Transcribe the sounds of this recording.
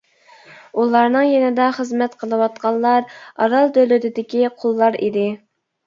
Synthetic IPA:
ulˠɑɾnɨŋjɛnɪd̪ɑχəzmɛt̪qʰəlˠɨwɑt̪qʰɑlˠlːˠɑɾɑ̰ɾɑlˠd̪ølyt̪ʰɪd̪ɪkʲiqʰolˠːɑɾḭd̪ɪ

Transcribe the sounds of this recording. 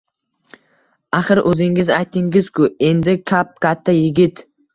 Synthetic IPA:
aχɨɾʔɵzɪŋɪzajt̪ʰɪŋɡɪz̥kʰʲʊe̞nd̪ɪkʲʰap̚kʲʰat̪ʰːajɪɡʲɪt̪

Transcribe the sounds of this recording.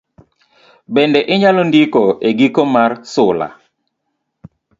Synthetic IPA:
bɛndɛʔɪɲalondikoeɡikomarsʊla̰

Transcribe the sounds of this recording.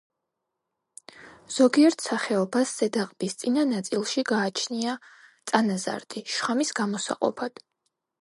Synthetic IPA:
z̥ɔɡiɛɾt̪ʰsaχɛɔbasːɛd̪aqʼbist̪sʼinanat̪sʼilˠʃiɡaːt͡ʃʰniat̪sʼanaza̰ɾd̪ʼiʃχamisɡ̥amɔsa̰qʼɔ̰pʰad̪̥

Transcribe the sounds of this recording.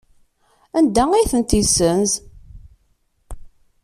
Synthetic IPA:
ænd̪æijθənt̪isənz

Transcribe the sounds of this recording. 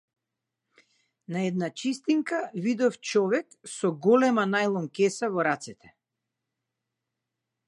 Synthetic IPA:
naɛd̪nat͡ʃist̪iŋkavid̪ɔft͡ʃɔvɛksɔɡɔlɛmanajlˠɔmkɛsavɔɾat̪sɛt̪ʰɛ̥

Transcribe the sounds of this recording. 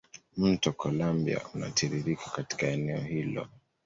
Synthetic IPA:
m̩tɔkɔlambia̰una̰tʰiɾiɾikḁkati̥kaɛnɛɔhilɔ̰

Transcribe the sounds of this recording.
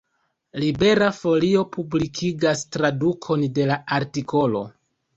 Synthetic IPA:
libe̞ɾafo̞lio̞pʰublikʰiɡastɾadukʰo̞nde̞laaɾtikʰo̞lo̞̰

